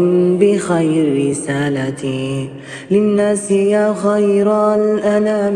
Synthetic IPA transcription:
nbɪxajɾɾɪsaːlat̪ | lɪnːaːsɪjaːxajɾalʔanaːm

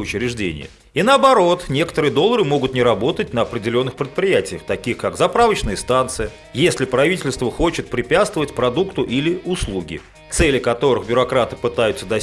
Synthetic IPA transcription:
ʊt͡ɕɪɾʲɪʐdʲḛnʲɪ̰jə̰ | inəɐbɐɾo̞t̪nʲe̞kə̥t̪əɾɨjəd̪o̞lˠːəɾɨmo̞ɡʊt̪nʲɪɾɐbo̞t̪ət̚ʲnəɐpɾʲɪdʲɪlʲo̞nːɨxpɾʲɪt̪̚pɾʲɪjætʲɪjəxt̪ɐkʲixkakzɐpɾavət͡ɕnəɨjəst̪ant̪sɨjə | jesʲlʲɪpɾɐvʲitʲɪlʲst̪vəxo̞t͡ɕɪt̪̚pɾʲɪpʲat̪st̪vəvətʲpɾɐd̪ukt̪ʊʔilʲɪʊslˠuɡʲɪ̰ | t̪sɛlʲɪkɐt̪o̞ɾɨxbʲʊɾɐkɾat̪ɨ̥pɨt̪ajʊt̪səd̪ɐ

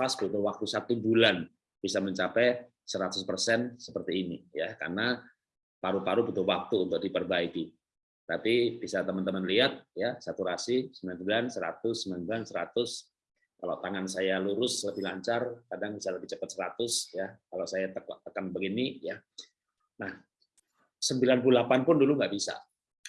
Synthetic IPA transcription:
pasbut̪ʊhwak̚t̪usat̪ubulan | b̥isaməɲt͡ʃapɛ | səɾat̪ʊspərsɛnsəpərt̪iːnijaka̰rna | paɾupaɾupət̪ʊhwak̚t̪uːnt̪ʊk̚dipərbaiki | t̪apib̥isat̪əmənt̪əmənliat̪̚jasat̪uɾasisəmbilansmbilansəɾa̰t̪ʊsəmilanbilansəɾa̰t̪ʊs | kala̰t̪aŋansajaluɾʊsləbɪhlaɲt͡ʃarkadaŋbisaləbɪht͡ʃəpət̪̚səɾat̪ʊsjakalasajat̪əkt̪ːəkanbəɡinija | nah | səmbilanp̬ululapanpʊnduluŋɡaʔbisa̰

